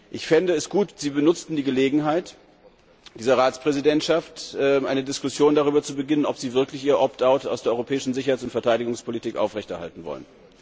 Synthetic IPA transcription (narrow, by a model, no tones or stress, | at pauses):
ʔɪçfɪndəɛsɡ̥uːtz̥iːbənʊt͡stn̩diːɡəleːɡŋ̩ɦaɪt | d̥iːzɐʁaːt͡spʁ̥ɛzidɛntʃaftʔɛmʔa̰ɪnədɪskʊsjoːndaʁ̞yːbɐt͡subəɡɪnənɔpz̥iːvɪɐklɪçʔiːʁəʔɔp̚taʊta̰ʊsd̥eɐɔʏʁopʰɛːɪʃn̩zɪçɐhaɪt͡sʊntfɛɐtʰaɪɾɪɡʊŋspʰolitʰiːkʔa̰ʊfʁ̥ɛçtɛɐha̰ltn̩vɔ̰lə̰n